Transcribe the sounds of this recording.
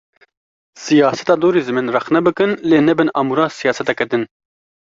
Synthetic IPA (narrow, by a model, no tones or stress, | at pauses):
sijɑːsɛ̥t̪ɑːd̪oːɾiːzɨminrɛxnɛbɨkɨnleːnɛbɨnɑmuɾɑːsijɑːsɛt̪ɛkɛd̪ɨn